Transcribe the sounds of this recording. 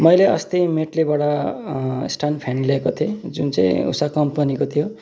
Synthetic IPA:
mʌjleʌst̪ʌjmeʈlebaɽʌ | sʈʰanpʰenleekot̪ʰiod͡zunt͡sʌĩṵsakʌmpʌnikot̪ʰijo

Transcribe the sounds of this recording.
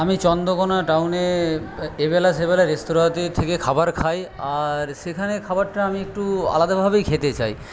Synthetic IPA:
amit͡ɕɔnd̪okonaʈawne | ebɛlaʃ̬ebɛlaɾesʈoɾat̪et̪ʰekekʰabaɾkʰajaɾʃekʰanekʰabaɾʈaamiek̚ʈua̰lad̪abʱabejkʰet̪et͡ɕaj

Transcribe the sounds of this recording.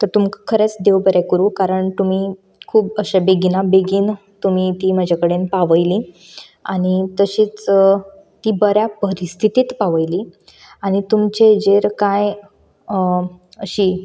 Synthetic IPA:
t̪əɾt̪umkakʰəɾet͡sd̪eʋbəɾakəɾuːkaɾəɳt̪um̤i | kʰuːbəɕebeɡinabeɡiːn | t̪umit̪iːməd͡ʑʱakəɽenpaʋəjliː | aɽ̃it̪əɕiːt͡s | t̪iːbəɾjapəɾist̪ʰit̪iːt̪paʋəjliː | aɽ̃it̪umt͡ɕed͡ʑeɾkaj | əɕiː

